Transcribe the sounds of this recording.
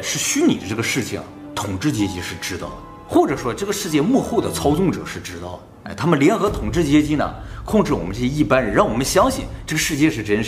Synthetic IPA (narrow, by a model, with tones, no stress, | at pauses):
ʂɻ̩˥˩ɕy˥nḭ˨˩d̪ə˦ʈ͡ʂɤ˥˩ɡə˩ʂɻ̩˥˩t͡ɕʰḭ˨˩ŋ̰˩ | t̪ʰʊ˨˩ŋʈ͡ʂɻ̩˥˩t͡ɕjɛ˥t͡ɕi˧˥ʂɻ̩˥˩ʈ͡ʂɻ̩˥t̪ɑ̰˥˩ʊd̪ə˨ | xwɔ˥˩ʈ͡ʂɤ˨˩ʂwɔ˥ʈ͡ʂɤ˥˩ɡə˩ʂɻ̩˥˧t͡ɕjɛ˥˧mwɔ˥˧xo˥˩ʊd̪ə˩t͡sʰɑ˥ʊt͡sʊ˥˩ŋʈ͡ʂɤ̰˨˩˦ʂɻ̩˥˩ʈ͡ʂɻ̩˥t̪ɑ˥˩ʊd̪ə̰˩˥ɪt̪ʰa˥mə˨nljɛ˧˥nxɤ˧˥t̪ʰʊ˨˩ŋʈ͡ʂɻ̩˥˩t͡ɕjɛ˥t͡ɕi˥nə̰˨kʰʊ˥˧ŋʈ͡ʂɻ̩˥˩wɔ˨˩mə˦nʈ͡ʂɤ˥˩ɕjɛ˥i˥˩pa˥nɻə˧˥nɻɑ˥˩ŋwɔ˨˩mə˦nɕjɑ˥ŋɕḭ˧ʈ͡ʂɤ˥˩ɡə˩ʂɻ̩˥˧t͡ɕjɛ˥˧ʂɻ̩˥˩ʈ͡ʂə˥nʂ